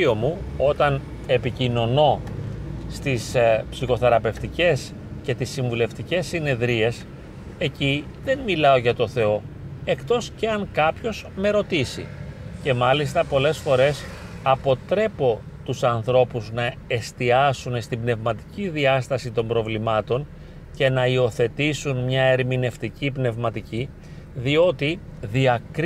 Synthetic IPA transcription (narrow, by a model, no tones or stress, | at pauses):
omuo̞t̪ɐn | e̞picino̞no̞ | st̪ispsixo̞θe̞ɾɐpe̞ft̪ice̞s | ce̞t̪isːiɱvule̞ft̪ice̞sːine̞ðɾie̞s | e̞ci | ðe̞nmilɐo̞ʝɐt̪o̞θe̞o̞ | e̞kt̪o̞sceɐŋkɐpço̞sme̞ɾo̞t̪isḭce̞mɐlist̪ɐpo̞le̞sfo̞ɾe̞s | ɐpo̞t̪ɾe̞po̞ | t̪usɐnθɾo̞puznɐe̞st̪iɐsunst̪ibne̞vmɐt̪i̥ciðiɐst̪ɐsit̪o̞mbɾo̞vlimɐt̪o̞n | ce̞nɐio̞θe̞t̪isunmɲɐe̞ɾmine̞ft̪icipne̞vmɐt̪ici | ðio̞t̪iðiɐkɾ